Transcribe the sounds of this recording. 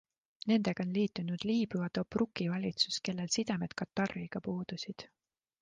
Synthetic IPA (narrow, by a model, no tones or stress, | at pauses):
ne̞nd̪̥e̞ɡ̥ɑonliːt̪ːˑunud̪̥liːbuvɑt̪o̞prukːˑivɑlʲit̪suske̞lːe̞lsid̪̥emed̪̥kɑt̪ːɑrːiɡ̥ɑpuːd̪̥usid̪̥